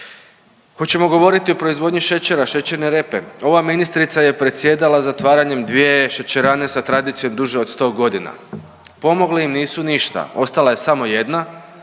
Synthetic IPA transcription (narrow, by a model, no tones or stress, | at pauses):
xo̞t͡ɕe̞mo̞ɡo̞ʋo̞ɾit̪iopɾo̞izʋo̞d̪ɲiʃe̞t͡ɕe̞ɾaʃe̞t͡ɕeɾne̞ɾe̞pe̞o̞ʋaminist̪ɾit̪saje̞pɾe̞t̪sje̞d̪alazat̪ʋaːɾaɲe̞md̪ʋie̞ʃet͡ɕeɾaːne̞sat̪ɾad̪iːt̪sijo̞md̪uʒeo̞d̪st̪o̞ːɡo̞d̪ina̰ | po̞mo̞ɡleimniːsuniʃt̪a̰o̞st̪alˠaje̞samo̞je̞d̪na